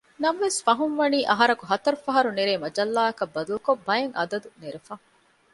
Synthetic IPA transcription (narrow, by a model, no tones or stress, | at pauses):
nɐmʋesfɐɦunʋɐniːʔɐɦɐɾɐkuɦɐt̪ɐɾufɐɦɐɾuneɾeːmɐd͡ʒɐlːaːɐkɐbːɐd̪ulukobɐjɐŋʔɐd̪ɐd̪uneɾefɐ